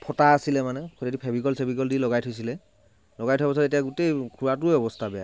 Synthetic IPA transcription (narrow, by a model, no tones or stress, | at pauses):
pʰɔtaːsilɛmanɛkʰɔtidipʰɛbikɔlsebikɔldilɔɡajtʰojs̬ilɛ | lɔɡajtʰwabɔs̬ɔtetijaɡutejkʰuɹatʊeɔbɔstʰabɛja̰